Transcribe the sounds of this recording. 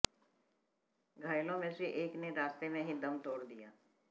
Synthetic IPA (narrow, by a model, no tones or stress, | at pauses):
ɡʱaːjlõmẽseʔeːkneɾaːst̪emẽɦid̪ɐmt̪oːɽd̪ijaː